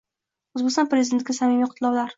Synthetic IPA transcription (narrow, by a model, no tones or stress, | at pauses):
ʊzbɪkʲsɒnpɾezɪd̪ent̪̚ɡʲasamɪmiqʰt̪ʰɪlˠɒwlaɾ